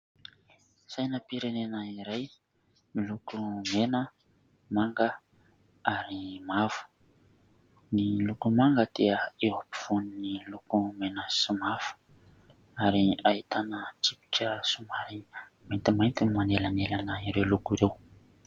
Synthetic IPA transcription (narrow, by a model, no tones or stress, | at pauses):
sajnəpiɾenenəiɾaj | milukumenə | maŋɡə | aɾimavu̥ | nilukumaŋɡəd̪̥eəewapi̥v̥uninilukumenəsumavu̥ | aɾiait̪anət͡sipi̥ʈ͡ʂəsumaɾimajnt̪imajnt̪inimanelanelanəiɾewlukuɾew